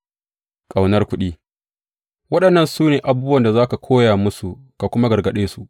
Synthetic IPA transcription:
kʼa˨wnɐ˦rkʷʊ˦ɗiː˦ | wɐ˦ɗɐ˨nːɐ˦˨nsuː˦neː˨ʔa˨buː˦bʊ˦wɐ˨nda˨zaː˦ka˨kʷʰoː˦jaː˨mʊ˦su˨ | ka˨kʷʊ˦ma˦ɡɐ˨rɡɐ˨ɗeː˦su˨ʔ

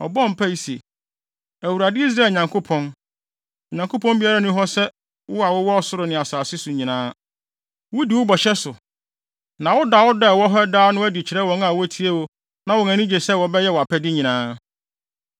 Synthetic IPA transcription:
ɔ̰˨bɔ̃˦˨m̩˨pʰæ˦ji˦si˨e˨ | æ˨wu˨ɾa˨dɪ˦i˦s̬ɾaː˦˨lɲã˨ŋkʰo˦pʰɔ̃˦n˨ | ɲã˨ŋkʰo˦pʰɔ̃˦m˦bi˦a˦ɾa˦nʊ̃˦ɦɔ˦sɛ˦ | wʊ˦a˨wʊ˦wɔ˦ɔ˨sʊ˦ɾʊ˨nɪ̃˨a˨saː˨sɪ˦sʊ˨ɲĩ˨nãː˦ | wʊ˦di˨wʊ˦bɔ˨ɕɛ˦sʊ˨ | nã˨wʊ˦da˨wɔ˦dɛ˦˨wɔ˦ɦɛ˦daː˦nʊ̃˦æ˦di˨t͡ɕʰɪ˨ɾɛ˦wɔ̃˦ŋa˨wʊ˦æ˦tʰi˦e˦wo˦ | nã˨wʊ˨næ̃˨nĩ˦d͡ʑe˨sɛ˦wɔ˨bɛ˦jɛ˦wɔ˨a˨pʰɛ˦dɪ˦ɲĩ˨nãː˦

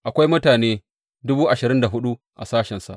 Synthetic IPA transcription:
ʔa˨kʷa˦jmʊ˦taː˨neː˦ | dʊ˦buː˦ʔa˨ʃɪ˨ɾɪ˦nda˨ɦʊ˦ɗu˦ | ʔa̰˨saː˦ʃɛ˨nsa˨ʔ

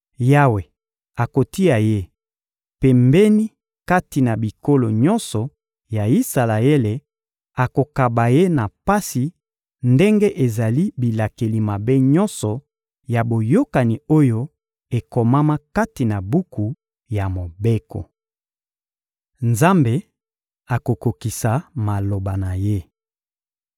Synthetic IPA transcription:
ja˦we˨ | a˨ko˨ti˦a˨je˦ | pɛ˨mbɛ˦ni˦ | ka˦ti˨na˨bi˨ko˦lo˨ɲɔ̃˦nsɔ˨ | ja˨i˦sa˨la˨e˦le˨ | a˨ko˨ka˨ba˨je˦na˨pa˦si˨ | nde˦ŋɡe˦ʔe˨za˨li˦bi˨la˨ke˨li˨ma˨be˦ɲɔ˦nsɔ˨ | ja˨bo˨jo˦ka˨ni˨o˦jo˦ | e˨ko˨ma˦ma˦ka˦ti˨na˨bu˦ku˨ | ja˨mo˨be˦kɔ̰˨ | nza˦mbe˨ | a˨ko˨ko˨ki˨sa˨ma˨lo˨ba˨na˨je˦

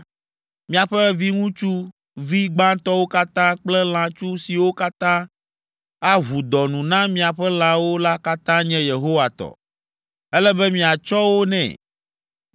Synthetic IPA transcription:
mĩ˦a˨ɸɛ˦vi˦ŋũ˦t͡ʃu˦ | vi˦ɡ͡bã˦t̪ɔ˦wo˦ka˦t̪ã˦k͡plɛ˦l̃ã˨t͡ʃu˦si˨wo˦ka˦t̪ã˦ | a˦ɦu˨d̪ɔ˨nũ˨nã˦mĩ˦a˨ɸɛ˦l̃ã˨wo˦la˦ka˦t̪ã˦ɲɛ̃˦je˨ɦo˦wa˨t̪ɔ̰˨ | ɛ˦lɛ˦bɛ˦mĩ˨a˨t͡ʃɔ˦wo˦nɛ̰̃˨

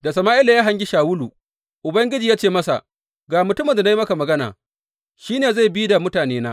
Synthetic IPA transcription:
da˨sɐ˨maː˦ʔɪ˦la˨jaː˦ɦa˦ɲɡʲi˦ʃaː˨wʊ˦lu˨ | ʔʊ˨bɐ˦ŋɡʲɪ˦d͡ʒiː˨jaː˦t͡ʃeː˦˨mɐ˦sa̰˨ʔ | ɡaː˨mʊ˨tʊ˦mɐ˨nda˨n˦jmɐ˦ka˨mɐ˨ɡɐ˦na̰ː˨ | ʃiː˦neː˨za˦˨jbi˦da˨mʊ˦taː˨neː˦naː˦

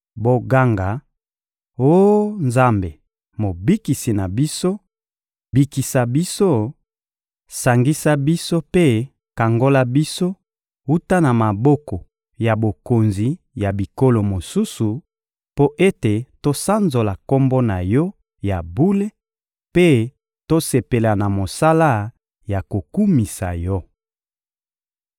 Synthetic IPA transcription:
bo˨ɡa˦ŋɡa˨ | o˦nza˦mbe˨ | mo˨bi˦ki˨si˨na˨bi˦so˦ | bi˨ki˨sa˨bi˦so˦ | sa˨ŋɡi˦sa˦bi˦so˦pe˦ | ka˨ŋɡo˦la˦bi˦so˦ | u˦ta˦na˨ma˨bɔ˦kɔ˨ | ja˨bo˨ko˨nzi˨ | ja˨bi˨ko˦lo˨mo˨su˦su˨ | po˦ʔe˦te˨to˦sa˦nzo˨la˨ko˦mbɔ˦na˨jɔ˦ | ja˨bu˦le˦ | pe˦ | to˦se˨pe˨la˨na˨mo˨sa˦la˦ | ja˨ko˨ku˦mi˨sa˨jɔ˦

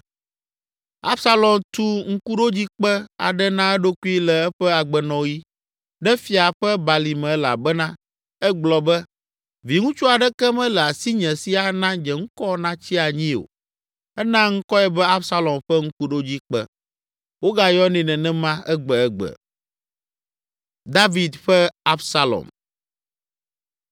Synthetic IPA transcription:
a˦bsa˦lɔ˨mt̪u˦ŋ̩˦ku˦ɖo˦d͡ʑi˦k͡pɛ˦a̰˨ɖɛ˦nã˦ɛ˦ɖo˦ku˦i˦lɛ˨ɛ˦ɸɛ˦a˨ɡ͡bɛ˨nɔ̃˨ji˦ | ɖɛ˦fi˨a˨ɸɛ˦ba˨li˨mɛ̃˨˦la̰˨bɛ˦nã˦ | ɛ˦ɡ͡blɔ˨bɛ˦ | vi˨ŋũ˦t͡ʃu˦a˨ɖɛ˦kɛ˦mɛ̃˦lɛ˨a˨si˦ɲɛ̃˨si˦a˨nã˦ɲɛ˨ŋ̩̃˦kɔ˦nã˦t͡ɕi˦a˨ɲĩ˦o̰˨ | ɛ˦nã˦ŋ̩˦kɔ˦ɛ˦bɛ˦a˦bsa˦lɔ˨mɸɛ˦ŋ̩˦ku˦ɖo˦d͡ʑi˦k͡pɛ˦ | wo˦ɡa˨jɔ˦nĩ˨nɛ̃˨nɛ̃˦mã˦ɛ˦ɡ͡bɛ˨ɛ˦ɡ͡bɛ̰˨ | d̪a˦vi˨d̪ɸɛ˦a˦bsa˦lɔ̰˨m

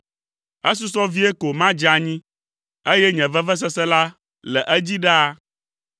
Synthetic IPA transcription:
ɛ˦s̬u˦sɔ˦vi˦ɛ˦ko˨mã˦d͡ʒa˨ɲĩ˦ | e˦jɛ˦ɲɛ̃˨vɛ˦vɛ˦s̬ɛ˦sɛ˦la˦ | lɛ˨ʔɛ˦d͡ʑi˦ɖa˦a˦

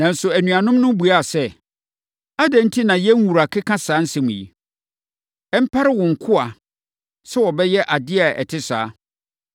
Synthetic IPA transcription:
nã˨n̩˦sʊ˨æ˨nũ˨a˨nʊ̃˦m˦nʊ̃˦bu˨a˦˨sɛ˦ | a˦dɛ̃˦n̩˦tʰi˦nã˨jɛ˦n˦wu˨ɾa˨kʰɪ˦kʰã˦saː˨˦n̩˦sɛ̃˦mũ˨jḭ˨ | ɛ˦m̩˦pʰa˦ɾɪ˦wʊ̃˨ŋ̩˨kʰʊ˦a˨ | sɛ˦wɔ˨bɛ˦jɛ˦ʔa˨dɪ˦a˨ɛ̰˨tʰɪ˦sa̰ː˨˦

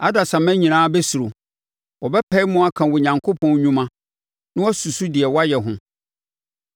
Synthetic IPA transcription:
a˦da˨sã˨mæ̃˦ɲĩ˨nãː˦bɛ˦su˨ɾo˨ | wɔ˨bɛ˦pʰɛ˦i˦mʊ̃˦a˦kʰã˨wɔ˨ɲã˨ŋkʰo˦pʰɔ̃˦n˦ɲũ˦mã˦ | nɪ̃˦wɔ˦su˨su˦dɪ˨ɛ˨wɔ˦a˦jɛ˨ɦʊ̃˨

